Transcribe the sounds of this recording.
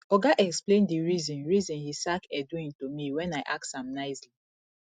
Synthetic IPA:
ɔɡaʔɛksplẽndiɹizɔ̃nɹizɔ̃nhisakɛdwĩntomiwɛ̃naɪʔak̚tsãmnaɪsli

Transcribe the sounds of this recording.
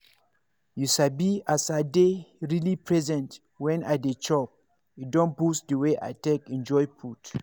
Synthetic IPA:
juʃabiasadeɹilipʰɹɛzɛ̃nt | wɛ̃nadet͡ʃɔp̚ | idɔ̃nbusdəweʔa̰tekɛ̃nd͡ʒɔjpʰut

